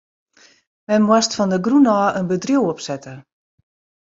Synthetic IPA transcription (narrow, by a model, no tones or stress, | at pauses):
mɛnmwɔstfɔndəɡrunɔːʔənbədrjuwɔpsɛtə